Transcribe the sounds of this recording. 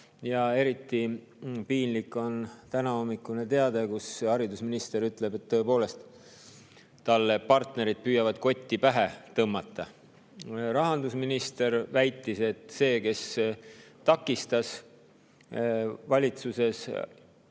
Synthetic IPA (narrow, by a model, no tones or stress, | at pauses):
jɑe̞ɾit̪ˑːi | piːnlikːˑo̞nt̪ænɑo̞mːikːˑunet̪e̞ɑd̪̥e̞kushɑɾid̪usminist̪e̞ɾyt̪ˑle̞be̞t̪ːɤ̞epo̞ːle̞st̪ | t̪ɑlːepɑrt̪ne̞ɾid̪̥̚pyːjɑvɑd̪̥ko̞t̪ʲːipæɦe̞t̪ɤmːɑt̪ˑːɑ | ɾɑɦɑnd̪usminist̪e̞ɾvæjt̪ːˑise̞t̪se̞ːke̞s | t̪ɑkːˑist̪ɑs | vɑlʲit̪suse̞s